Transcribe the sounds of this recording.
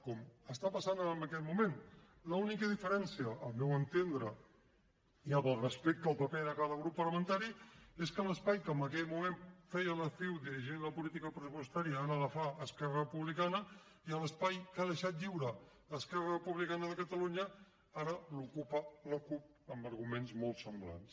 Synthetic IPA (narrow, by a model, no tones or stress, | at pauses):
kɔməst̪apəsanəmbəkɛt̪mumen | ləunikəðifəɾɛnsiəːlˠmewənt̪end̪ɾə | iaβəlˠrəspek̚t̪əlˠpəpeðəkaðəɣɾupːəɾləmənt̪aɾieskələspajkəmbəkɛmumeɱfɛjələfiwd̪iɾiʒinələpulit̪ikəpɾəsupust̪aɾjəaɾələfaəskɛrərəpuβlikanə | iələspajkaðəʃat̪̚ʎiwɾəː | skɛrərəpuβlikanəðəkət̪əluɲə | aɾəlukupələkup̚əmbəɾɣumenzmɔlˠt̪səmbla̰ns